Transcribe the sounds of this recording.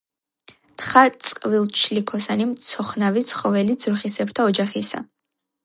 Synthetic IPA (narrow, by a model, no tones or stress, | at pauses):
t̪ʰχat̪sʼqʼvilˠt͡ʃʰlikʰɔsanimt̪sʰɔχnavit̪sʰχɔvɛlid̪zɾχisɛbt̪ʰaɔd͡ʒaχisa̰